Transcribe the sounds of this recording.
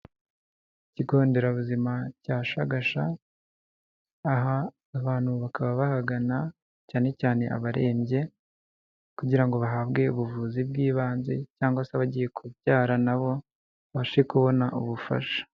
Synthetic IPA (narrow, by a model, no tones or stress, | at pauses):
iciɡo̞ːnde̞ɾaβuzimacaːʃaɡaʃa | ɦaː | βaːn̥huβakaβaβahaɡana | caːne̞caːne̞ʔa̰βaɾe̞ːmɟe̞ | kuɟiɾaŋɡo̞βaɦabɡe̞uβuvuːzibɡiːβaːnze̞caːŋɡasaβaɟije̞kʰubjaːɾanaβo̞ | βaʃekuβo̞naʔuβufa̰ʃḁ